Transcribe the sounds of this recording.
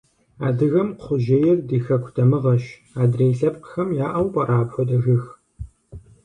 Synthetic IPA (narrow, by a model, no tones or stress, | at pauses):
aːdɨɣɐmqʷʊʒejɛrdiːxɐkʷʰʊtʰɐmɨʁɐʃ | aːdreːɬɐp̚qə̥xɐmjaːʔɐwpʼɐɾʔaːpxʷɔdɐɣɨx